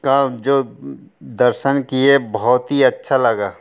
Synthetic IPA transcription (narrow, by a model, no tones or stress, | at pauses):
kad͡ʒoː | d̪ɐɾʃənkiebɔɦɔt̪ɦiɐtːʃʰalɐɡaː